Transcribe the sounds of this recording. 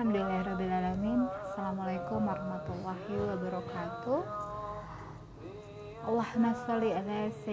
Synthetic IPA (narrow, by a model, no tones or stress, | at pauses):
amd̪ilahɾɔbilalaminasalamalajkumaɾɑhmat̪ulˤːahiwabaɾɔkat̪u | ʔɑlːahnasalialasa